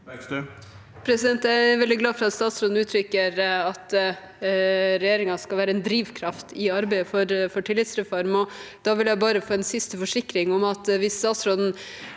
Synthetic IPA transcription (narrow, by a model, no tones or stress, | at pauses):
pʰɾɛsɪd̪ɛnt̪æʋɛld̪ɪɡlɑːfɔɾɑt̪st̪ɑːt̪sɾɔd̪n̩ʉːt̪ʰɾʏkːəɾɑt̪ | ɾɛjeːɾɪŋɑskɑlʋæːɾəɛnd̪ɾiːʋkʰɾɑft̪ʰɪɑɾbæɪəfɔɾfɔʈʰɪlːɪt̪sɾɛfɔɾmɔd̪̥ɑːʋɪljæɪbɑːɾəfoːɛnsɪst̪əfɔʂɪkːɾɪŋɔmɑt̪ʋɪsːt̪ɑːt̪sɾɔd̪n̩